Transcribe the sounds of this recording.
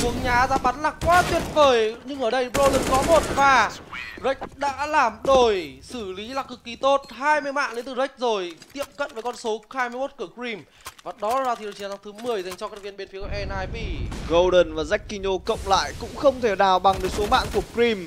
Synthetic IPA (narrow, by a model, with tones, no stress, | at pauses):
tu˨˦əŋɲaː˨˦zaː˧˥ɓa˨˦nlaː˨˩kwaː˨˦t̪wi˨˩ənvəː˧˩jɲɨ˧ŋʔəː˧˩ɗə˧jɓo˧lə˨˩nkɔ˨˦mo˨˩t̚vaː˨˩zə˦˥jk̟̚ɗa̰ː˧˥laː˨˩mɗo˧˩jsɨ˧˩li˨˦laː˨˩kːɨ˨˩kːi˨˧˦t̪o˦˥t̚haː˧jmɨ˧əjma̰ː˧˨ʔɗe˨˦nt̪ɨ˨˩zə˦˥k̟̚zo˨˩jt̪ḭ˧˨əmkə̰˧˨nvəː˨˦jkɔ˧nso˨˦haː˧jmi˧əjmo˦˥t̚kɨː˧˩kɹi˧m | vaː˨˩ɗɔ˨˦laː˨˩zaː˧˩t̪i˨˩˨t͡ɕi˨˦ŋt̪ʰɨ˨˦mɨ˨˩əjza˨˩jŋ̟t͡ɕɔ˧kaː˦˥vi˧nɓe˧nfi˨˦ə˦ʔɛ˧nʔaː˧jɓi˧˩ɣə˧wɗə˨˩nvaː˨˩za˦˥jk̟̚kːi˧ɲo˧kə̰˧˨wŋ͡mla̰ː˧˨jkʊ̰˧˥ŋ͡mxə˧wŋ͡mt̪ʰe˧˩naː˨˩wɓa˨˩ŋɗə˨˦jso˨˦ma̰ː˧˨nku˧˩əkɹi˧m